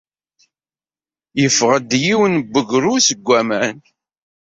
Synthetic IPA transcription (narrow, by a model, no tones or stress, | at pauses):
jəfʁəd̪jiwənbːəɡɾusəɡʷːæmæn